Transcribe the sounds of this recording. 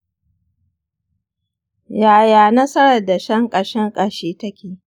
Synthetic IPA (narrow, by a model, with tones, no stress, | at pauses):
jaː˨jaː˨nɐ˦sɐ˦ɽɐ˨da˨ʃɐ˦ŋkʼɐ˨ʃɛ˦ŋkʼɐ˨ʃeː˦tɐ˦kʲeː˨